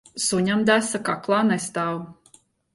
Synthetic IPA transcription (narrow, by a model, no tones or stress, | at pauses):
suɲamd̪æsakaklˠɑːnɛst̪aːw